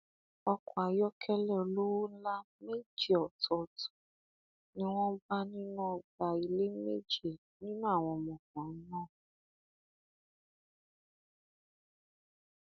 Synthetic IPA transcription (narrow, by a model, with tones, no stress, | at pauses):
ɔ˧kɔ˨a˨jɔ˦kʰɛ˦lɛ˦˨o˨lo˦wo˦n̩˦la˦ | me˦˨d͡ʒe˦˨ɔ˨tɔ˨tu̥˨ | nĩ˦w̃ɔ̃˦ba˦nĩ˦nɔ̃˦˨ɡ͡ba˨i˧le˦me˦d͡ʒe˦˨ | nĩ˦nũ˦a˦˨w̃ɔ̃˧˨mɔ̃˨kɔ̃˨n̩˦nɔ̃˦˨